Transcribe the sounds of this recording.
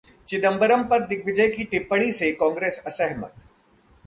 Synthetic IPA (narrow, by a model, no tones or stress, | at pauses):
t͡ʃɪd̪əmbəɾəmpɐt̪̚ːɪk̚ʋɪd͡ʒəjkiʈɪpːəɽ̃isekɔ̃ːŋɡɾeːsɐsɛɦmə̰t̪